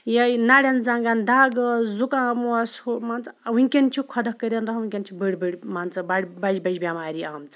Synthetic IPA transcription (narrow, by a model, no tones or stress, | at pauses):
jɐjnaɽʲɐnzãːŋɡand̪aːɡzukãːmusmaːnt͡sɐwunʲkʲɐnt͡ʃʰikʰɐd̪ɐkːəɾʲɐnɾɐɦuŋʲkʲɐnʲt͡ʃʰibəɽʲbəɽʲmant͡sɐbaɽʲbɐd͡ʒbɐd͡ʒʲbʲjamaːɾʲiaːmt͡sɨ̥